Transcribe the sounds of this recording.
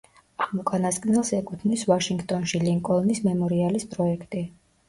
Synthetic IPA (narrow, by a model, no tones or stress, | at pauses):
aʁmɔkʼanaskʼnɛlˠsɛkʼut̪ʰnisvaʃiŋɡt̪ʼɔnʃiliŋkʼɔlˠnismɛmɔɾialispʼɾɔɛkʰt̪ʼi